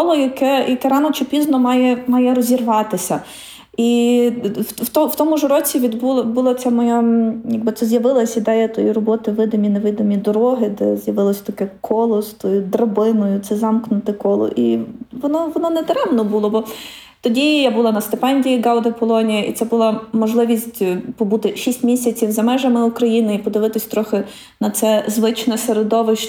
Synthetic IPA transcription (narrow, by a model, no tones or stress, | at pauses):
kɔlˠɔjɐkɛjɐkɛɾɑnɔt͡ʃɪpʲiznɔmɑjɛmɑjɛɾɔzʲirʋɑt̪ɪsʲɐ | i | wt̪ɔwt̪ɔmʊʒɾɔt͡sʲiʋʲid̪bulˠbulˠɔt͡s̪ʲɛmɔjajɐɡ̚bɪt̪sɛzʲjɐʋɪlˠɐsʲid̪ɛjɛt̪ɔjirɔbɔt̪ɪʋɪd̪omʲineʋɪd̪omʲid̪ɔɾɔɦɪd̪ɛzjɐʋɪlˠɔsʲt̪ɐkɛkʰɔlˠɔst̪ɔjʊd̪rɐbɪnʊjʊt̪sɛzɑmknʊt̪ɪkɔlˠɔ̰ʔiʋɔnɔʋɔnɔnɛt̪ɾɛmnɔbulˠɔbɔ | t̪ɔdʲijabʊlˠɑnɐst̪ɪpɛnʲdʲiiɡɑwˠd̪ɐpɔlˠɔnʲijɐʔḭt̪sɛbʊlˠɑmɔʒlˠɪʋʲisʲtʲpɔbut̪ɪʃʲisʲtʲmʲisʲɐt͡sʲiwzɐmɛʒɐmɪukɾɐjinɪipɔd̪ɪʋɪt̪ɪsʲt̪ɾɔxɪ | nɐt̪sɛzʋɪt͡ʃnɔseɾed̪ɔʋɪʃ